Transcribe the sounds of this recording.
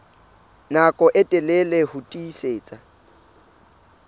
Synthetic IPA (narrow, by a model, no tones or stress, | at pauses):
nakʼɔʔɛtʼɛlelehʊtʼiːseːt͡sʼa